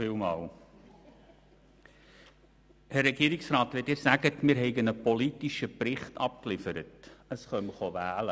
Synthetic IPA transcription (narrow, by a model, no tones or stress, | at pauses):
iːlmɑːl | hærːɛɡiːɾɪksɾɑːtʋɪtɪːɾsæɡətmɪːɾɦɛɪɡənəpɔlitiʃəprɪχtɑ̰p̚klɪfəɾətəsχœməχoʋæːlə